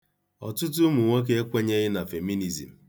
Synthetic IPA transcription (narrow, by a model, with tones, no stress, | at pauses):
ɔ̰˨tʊ˦t̬ʊ˦mu˨ŋʷe˦k̬e˦e˦kʷe˦ɲe˦ɣɪ˦na˨fe˨mi˦ni˨zḭ˨m̩˨